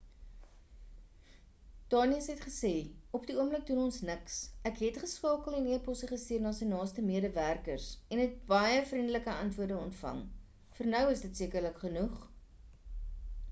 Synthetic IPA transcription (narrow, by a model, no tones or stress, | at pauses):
d̥ɑːniəsɦɛtχəseːɔpdiuəmlək̚dunɔnsnəksækɦɛtχəskɑːkəlˠɛniəpɔsəχəstiərnɑːsiənɑːstəmiəɾəværkərsɛnɦɛt̚bɐjəfrindələkəɐntvuərdəɔntfɐ̰ŋ | fərnœwəsdətsiəkərləkχənuχ